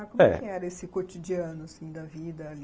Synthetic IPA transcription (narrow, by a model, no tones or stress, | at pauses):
akõmɛ̰kɪɛɾɐesɪkot͡ʃid͡ʒiɐ̃nʊasĩj̃d̪ɐvid̪ɐali